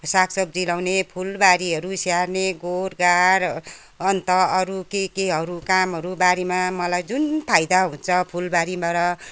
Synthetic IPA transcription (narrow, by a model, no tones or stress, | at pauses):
saksʌk̚d͡zilawnepʰulbaɾiɦʌɾusjarneɡoɾɡaɾ | ʌnt̪ʌʌɾukekeɦʌɾukamɦʌɾubaɾimamʌlajd͡zunp̪ʰajd̪aɦũnt͡sʰʌpʰulbaɾimʌɾʌ